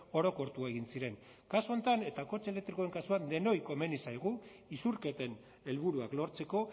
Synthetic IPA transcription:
o̞ɾo̞ko̞ɾt̪uae̞ɣ̞insiɾe̞ŋ | kasuo̞nt̪ane̞t̪ako̞t͡se̞le̞k̚t̪ɾikoeŋkasuad̪e̞no̞jko̞me̞nisajɣ̞u | isuɾke̞t̪e̞n | e̞lβuɾuaklo̞ɾt͡se̞ko̞

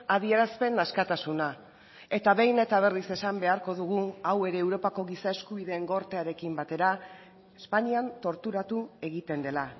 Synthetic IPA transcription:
aðie̞ɾaspe̞naskat̪asuna | e̞t̪aβe̞jne̞t̪aβ̞e̞rise̞sambe̞aɾko̞ðuɣuawe̞ɾe̞ːwɾo̞pako̞ɣisae̞skuβiðe̞ːŋɡo̞ɾt̪eaɾe̞kimbat̪e̞ɾa | espaɲiant̪o̞ɾt̪uɾat̪ue̞ɣit̪e̞nd̪e̞la

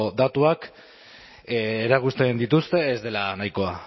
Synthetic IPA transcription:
d̪at̪uak | eɾakust̪e̞nd̪it̪ust̪e̞ezd̪e̞lanajko̞a

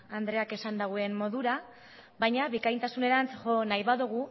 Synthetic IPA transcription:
and̪ɾe̞ake̞sand̪aɣue̞mmo̞ðuɾa | βajɲaβikajnt̪asune̞ɾant͡sʝo̞najβaðuɣ̞u

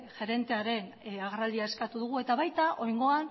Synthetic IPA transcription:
ʝe̞ɾe̞nt̪e̞aɾe̞naɣɾald̪iae̞skat̪uðuɣ̞ue̞t̪aβajt̪aʔo̞jŋɡo̞an

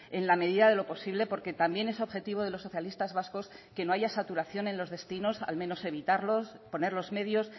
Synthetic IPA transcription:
e̞nlame̞ðiðaðe̞lo̞po̞siβle̞po̞ɾke̞t̪ambje̞ne̞so̞βxe̞t̪iβ̞o̞ðelo̞sːo̞θjalist̪azβasko̞ske̞no̞aʝasat̪uɾaθjo̞nẽ̞nlo̞zðe̞st̪ino̞sa̰lmẽ̞no̞se̞βit̪aɾlo̞s | po̞ne̞ɾlo̞zme̞ðjo̞s

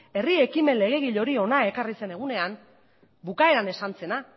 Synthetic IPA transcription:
e̞rie̞kime̞nle̞ɣ̞e̞ɣ̞iʎo̞ɾio̞nae̞karise̞ne̞ɣ̞une̞am | bukae̞ɾane̞sant͡se̞na

